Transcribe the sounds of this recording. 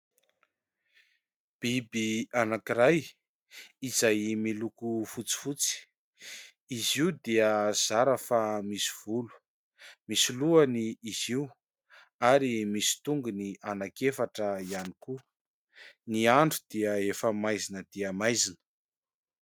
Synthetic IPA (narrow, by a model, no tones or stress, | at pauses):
b̥ibianakiɾaj | izajmilukufut͡si̥fut͡si̥ | iziud̪iəz̥aɾəfamisi̥v̥ulu̥ | misiluaniːziw | aɾimisi̥t̪uŋɡunianakefaʈ͡ʂəianiku | niaɳɖ͡ʐud̪̥iəefəmajzinəd̪̥iəmajzinə̥